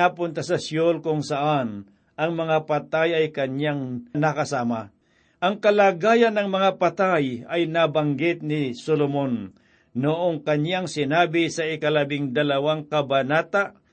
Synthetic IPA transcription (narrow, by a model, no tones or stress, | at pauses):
apʊnt̪ɐsɐsjolkʊŋsɐʔan | ʔɐŋmɐŋapɐt̪ajɐjkɐɲaŋnɐkɐsaːma | ʔɐŋkɐlaːɡaːjɐnːɐŋmɐŋapɐt̪ajɐjnabɐŋɡɪt̪̚nɪsolomonː | ʊʔoŋkɐɲjaŋsɪnaːbɪsɐɪkɐlɐbɪŋd̪ɐlɐwaŋkɐbɐnaːt̪aʔ